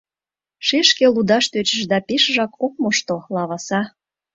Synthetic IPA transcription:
ʃeʃkelud̪ɑʃt̪øt͡ɕə̆ʃd̪ɑpeʃʒɑkʰok̚moʃt̪olɑβɑsɑ

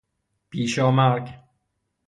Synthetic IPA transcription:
pʰiːʃɒːmæɾɡ

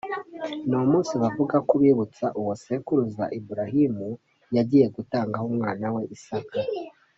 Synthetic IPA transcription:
nuomuːnsiβavuɡakuβiːβut͡saʔuwosekuɾuza̰ʔibuɾahimu | jaɟiːje̞ɡutaːŋɡahomŋaːnawe̞ʔisaka

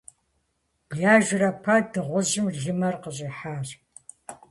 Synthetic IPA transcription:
bɮaːʒʷrɐpʰɐdɨʁʷʊʑɪmɮɨmɐrqəɕʼiːħaːr

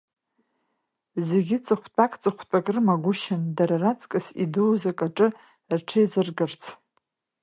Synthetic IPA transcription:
zeɡʲɪt͡sʼɨχʷt͡pʼakʼt͡sʼɨχʷt͡pʼakʼrɨmaɡʷʊʃɪndaɾarat͡sʼkʼɨsiduwzakʼaʈ͡ʂʼɨ | rʈ͡ʂʰajzɨrɡɨrt͡sʰ

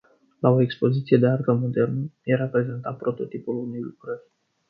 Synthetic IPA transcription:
lao̞ekspo̞zit̪sije̞d̪e̞art̪əmo̞d̪e̞rnəjeɾapɾe̞ze̞nt̪at̪̚pɾo̞t̪o̞t̪ipulunejlukɾərʲ

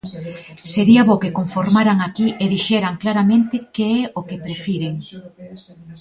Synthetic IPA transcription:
seɾiaβokekoɱfoɾmaɾaŋakiʔeðiʃɛɾaŋklaɾamẽnt̪ekeɛokepɾefiɾeŋ

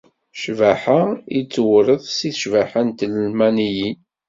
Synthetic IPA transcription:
ʃvaħait͡sːwɾəðˤsiθʃvaħant̪ləlmænijin

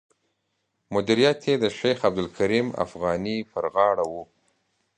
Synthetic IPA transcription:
mʊd̪iɾijat̪ʰed̪əʃejxab̚d̪ʊlkʰaɾima̰fɣɑnipəɾɣɑɽawu

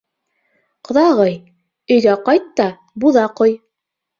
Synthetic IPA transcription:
qŏðɑʁɤj | ɵ̆jðæqɑjt̪ːɑ | buðɑqoj

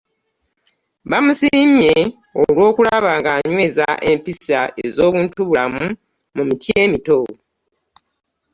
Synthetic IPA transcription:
βamusimje̞ | olwo̞ːkulaβaːŋɡaːɲwe̞ːza̰ʔempisaezo̞ːβuːntuβulamu | mumitje̞ːmito̞

